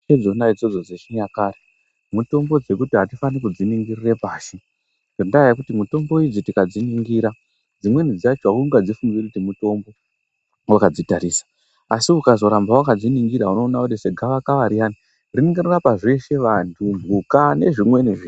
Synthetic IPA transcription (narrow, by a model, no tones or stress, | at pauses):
ed͡zo̞naid͡zo̞d͡zo̞d͡zeʃiɲakaːɾe | muto̞mbo̞d͡ze̞kutiɦatifanikud͡ziniŋɡirire̞paːʃi | ʐondajakutimuto̞mbo̞id͡zitikad͡ziniŋɡiːɾa | d͡zimwe̞nid͡zat͡ʃuakuŋɡad͡zifuŋɡirkutimuto̞mbo̞ | wakad͡zitaɾiːsḁ | asiukazo̞ɾambawakad͡ziniŋɡiɾauno̞ːnaudeseɡʱaʋakaʋaɾijani | rineŋɡerurapaʐe̞ʃe̞ʋantʰumukane̞ʐimwe̞niʐi